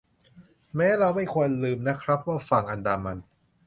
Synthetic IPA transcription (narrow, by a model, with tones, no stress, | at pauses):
mɛː˦˥ɾa˧wma˥˩jkʰu˧ənlɯː˧mna˦˥kʰɾa˦˥p̚waː˥˩fa˧˩ŋʔa˧ndaː˧ma˧n